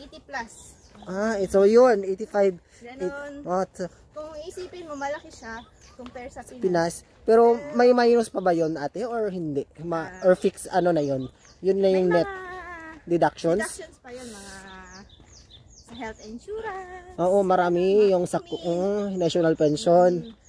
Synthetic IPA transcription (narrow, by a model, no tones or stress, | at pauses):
ʔet̪iplas | ʔaɛsojonʔejt̪ifajb | ʔot̪s | kʊŋisiːpɪnmomɐlɐkɪʃa | koŋpɛɹsɐpɪnas | pɛːɾo̞mɐjmɐhiːnʊspɐbɐjonʔaːt̪ɛʔoɹhɪnd̪ɛʔmɐʔoɹfiksɐno̞nɐjon | jʊnːɐjʊŋnɛt̪̚d̪ɛd̪ak̚ʃonsnsjʊmɐŋa | hɛlt̪ɛnʃuːɾɐʔoːʔo̞mɐɾaːmɪjʊŋsɐk̚k̪ʊʔoŋnaʃonalpɛnʃon